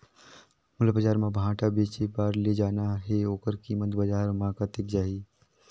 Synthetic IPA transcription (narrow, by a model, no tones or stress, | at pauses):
mʊlbəd͡ʒaːɾmãbʱãːʈabeːt͡ʃebaːɾled͡ʒaːnaɦeoːkəɾkiːmət̪bəd͡ʒaːɾmãːkat̪ɪkd͡ʒaːiː